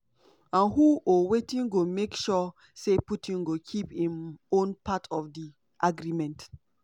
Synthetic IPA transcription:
ãnɦuʔowetĩnɡomekʃɔ | seputʰĩnɡokʰiphĩmõnpʰatʰɔvdi | ʔaɡɹimɛ̃nt

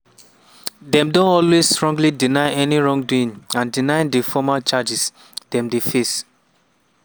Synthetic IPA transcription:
dɛ̃mdõnɔlwestɹɔ̃ŋɡlidinaɪʔɛniɹɔ̃ŋduĩŋãndinaɪdefɔmat͡ʃad͡ʒis | d̥ɛ̃mdefes

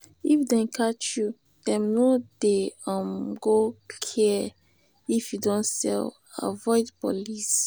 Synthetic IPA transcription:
ifdɛ̃nkʰat͡ʃju | d̥ɛ̃mnodeɔ̃mɡokʰɛ | ifjudɔ̃nsɛ̰l | a̰vɔɪdpolis

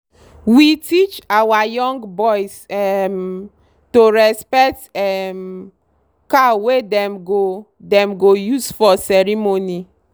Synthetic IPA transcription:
witit͡ʃawajɔŋɡbɔjsɛm | toɾɛspɛk̚tɛm | kawedɛmɡo | dɛmɡojuzfɔsɛɾimoni

